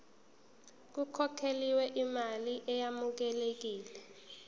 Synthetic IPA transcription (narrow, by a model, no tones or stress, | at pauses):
k̬ukʰɔkʰeliwɛʔimaliʔɛjamuk̬ɛlek̬iːlɛ